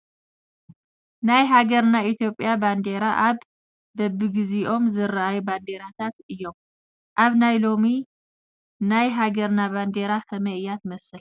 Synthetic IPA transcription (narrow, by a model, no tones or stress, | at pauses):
najɦaɡɐɾnait̪ʰjo̞pʼːjaband̪eɾaʔaβː | ɐbɨɡiziʔo̞mzɨɾʔajuband̪eɾat̪ʰat̪ɨjːo̞m | ʔaβnajlo̞mi | najɦaɡɐɾnaband̪eɾakʰɐmɐʔɨjat̪mɐsɨl